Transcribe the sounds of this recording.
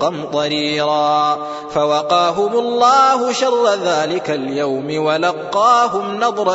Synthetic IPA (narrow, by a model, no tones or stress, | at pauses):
ɑnt̪ˤɑɾiːɾɑː | fawɑqɑːɦʊmʊlˤːɑːɦʊʃɑrˤːaðaːlɪkaljawmɪwalɑqːɑːɦʊmnɑd̪ˤɾˤɑ